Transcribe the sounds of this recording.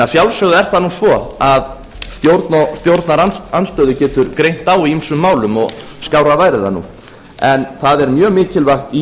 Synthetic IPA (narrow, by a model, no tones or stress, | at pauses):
asjawlsœɣðʏɛɾ̥θanusvɔað | st̪jowɾt̪nɔst̪jowɾt̪naɾaanst̪œːðʏcɛːt̪ʏɾkɾejn̥t̪awiimsʏmːaːwlʏmɔ̰ɣ | skawɾavaːjɾɪða̰nṵː | ɛnθaðɛɾmjœːɣmɪːcɪlvaxt̪i